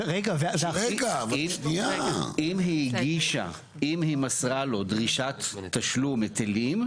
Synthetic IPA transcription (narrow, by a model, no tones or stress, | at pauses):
ʁeɡaveveaʁeɡavimʃniaimɦiɡiʃa̰ | imhimasʁalo̞dʁiʃat̪ːaʃlumet̪ʰelim